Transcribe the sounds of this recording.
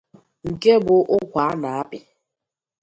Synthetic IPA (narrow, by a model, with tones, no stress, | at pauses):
ŋ̩˨ke˦bʊ˨ʔʊ˦kʷa˨˦a˦na˨a˦pɪ˨